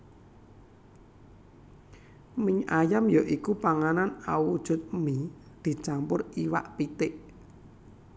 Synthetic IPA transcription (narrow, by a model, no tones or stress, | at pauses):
mɪɲajamjɔʔikupaŋananaud̥ʒ̥ʊ̤t̪̚mi | d̪̥i̤t͡ʃampʊriwa̰ʔpit̪ɪʔ